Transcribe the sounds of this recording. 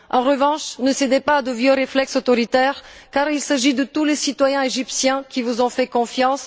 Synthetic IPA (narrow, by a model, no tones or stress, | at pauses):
ɑ̃ʁəvɑ̃ʃnəsed̪ɛpaːd̪əvjøʁeflɛksot̪ɔʁit̪ɛʁkaʁilsaʒid̪ət̪ulesit̪wajɛ̃eʒipsjɛ̃kʲivuzɔ̃fɛkɔ̃fjɑ̃s